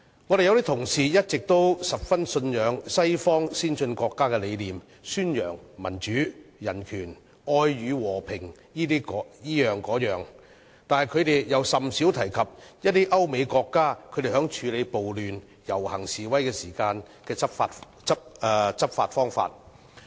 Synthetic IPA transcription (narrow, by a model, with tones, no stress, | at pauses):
ŋɔː˨˧ɾe˨jɐ˧wt̪i˥t̪ʰʊ˨˩ŋsiː˨˩jɐ˥t̚t͡sɪ˨k̚t̪o˥wsɐ˨p̚fɐ˥nsɵ˧njœː˨˧˥ŋsɐ˥jfɔː˥ŋsiː˥nsɵ˧nkɔː˧kːaː˥kɛː˧le˨˧jliː˨m | syː˥njœː˨˩ŋmɐ˨˩nt͡ʃyː˨˥jɐ˨˩nkʰyː˨˩n | ʔɔː˧jɥyː˨˧wɔː˨˩pʰɪ˨˩ŋ | jiː˥iː˥kːjiː˥jœː˨ŋkɔː˨˥jœː˨ŋ | t̪aː˨nhɐ˨jkʰɵ˨˧t̪e˨jjɐ˨˧wsɐ˨msi˨˥wt̪ʰɐ˨˩jkʰɐ˨p̚jɐ˥t̚t̪i˥ʔɐ˥wme˨˧jkɔː˧kːaː˥kʰɵ˧t̪e˨˩ɦœː˨˥ŋt͡ʃʰyː˨˧le˨˧jpo˨wlyː˨n | jɐ˨˩whɐ˨˩ŋsiː˨wɐ˥jkɛː˧siː˨˩kaː˧n | kɛː˧t͡sɐ˥pfaː˧t | t͡sɐ˥p̚ːt͡sɐ˥p̚faː˧t̚fɔː˥ŋfa̰ː˧t̚